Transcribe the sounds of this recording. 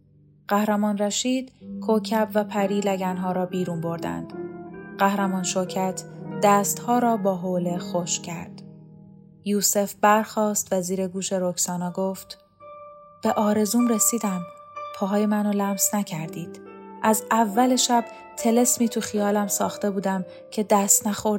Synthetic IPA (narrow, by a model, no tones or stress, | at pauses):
ɢ̥æhɾæmɒːnræʃiːd̪̥kʰocʰæbvæpʰæɾiːlæɟænɦɒːɾɒːbiːɾuːnbo̞ɾd̪æ̰nd̪̥ɢæhɾæmɒːnʃoɾcʰæt̪ʰd̪̥æːst̪hɒːɾɒːbɒːɦole̞xoʃcʰæɾd̪̥ | juːse̞fbæɾxɒːst̪væziːɾe̞ɡuːʃe̞ɾo̞kʰsɒːnɒːɡoːft̪ | b̥e̞ʔɒːɾe̞zuːmɾesiːd̪æmpʰɒːɦɒːjemænolæmsnæcʰæɾd̪iːd̪̥ʔæzævːæle̞ʃæb̥ | t̪ʰe̞le̞smiːt̪ʰuxijɒːlæmsɒːxt̪e̞buːd̪æm | cʰe̞d̪æst̪næxo̞ɾd̪